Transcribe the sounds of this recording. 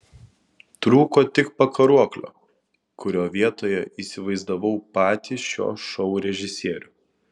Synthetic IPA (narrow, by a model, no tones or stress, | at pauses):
t̪ɾuːkoːt̪ʲɪkpɐkɐɾuɔklʲo̰ː | kʊɾʲoːʋʲiɛt̪oːjɛʔiːsʲɪʋɐɪzd̪ɐʋɒʊpɑːt̪ʲiːsʃʲo̰ːʃɔʊɾʲɛʒʲɪsʲiɛɾʲʊ